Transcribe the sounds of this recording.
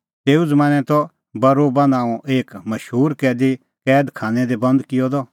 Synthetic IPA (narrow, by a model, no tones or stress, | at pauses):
t̪eːud͡zɐmãːñɛ̃t̪ɔ | bɐɾoːbanãːũʔeːkmɐʃɦuːɾkɛːd̪i | kɛːd̪kʰaːnɛ̃d̪ɛbɐ̃nd̪kɪjɔd̪ɔ